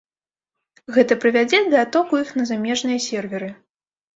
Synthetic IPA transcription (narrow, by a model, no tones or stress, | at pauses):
ɣɛt̪ɐpɾɨvʲad͡zʲɛd̪ɐat̪ɔkujixnɐzamʲɛʐnɨjɐsʲɛrvʲɛɾɨ